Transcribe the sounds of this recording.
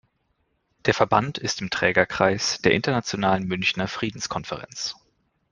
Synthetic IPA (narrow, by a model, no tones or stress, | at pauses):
d̥eːɐfɛɐbantʰɪstɪmtʁ̥ɛːɡɐkʁ̥aɪsd̥eːɐʔɪntɐnat͡sjonaːlənmʏnçnɐfʁ̥iːdn̩skʰɔnfəʁɛ̰nt͡s